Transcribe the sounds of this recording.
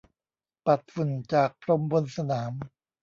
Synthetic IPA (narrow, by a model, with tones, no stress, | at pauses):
pa˨˩t̪̚fu˨˩nt͡ɕaː˨˩k̚pʰɾo˧mbo˧nsa˧naː˩˦m